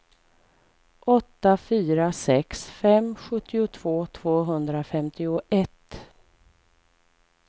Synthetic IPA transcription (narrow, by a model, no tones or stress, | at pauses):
ʔɔt̪ːafyːɾasɛksfɛmɧɵt̪ːɪʊt̪ʰv̥oːt̪ʰv̥oːɦɵnd̪ɾafɛmt̪ɪʊʔɛt̪